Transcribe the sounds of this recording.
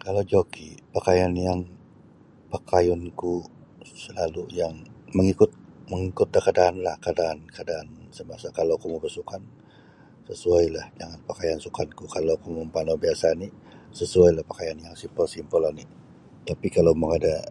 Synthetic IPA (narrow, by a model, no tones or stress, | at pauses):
kalawd͡ʒokipakajanjaŋ | pakajɔnku | səlalujaŋməŋikʊt̪̚məŋikʊt̪̚lakadaʔːnlahkadaʔːnkadaʔːnsəmasakalowkumubərsukan | səsuajlahd͡ʒaŋanpakajansukankukalawkumumpanobiasani | səsuajlahpakajanjaŋsimpəlsimpəlːani | t̪apikalawməŋada